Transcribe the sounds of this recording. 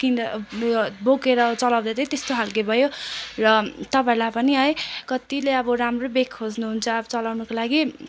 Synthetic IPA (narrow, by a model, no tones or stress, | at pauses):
kin | boɡeɾʌt͡sʌlawd̪ʌd̪ʌt̪est̪oɦalkebʱʌjorʌt̪ʌpãĩlapʌniɦʌjkʌt̪ileʌbʌramrobekʰːod͡znuɦunt͡sʰʌːbʌt͡sʌlawnukolaɡi